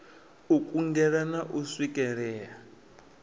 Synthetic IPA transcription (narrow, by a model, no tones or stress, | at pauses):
ukʼuŋɡɛɺanaʔuswikʼɛɺɛːa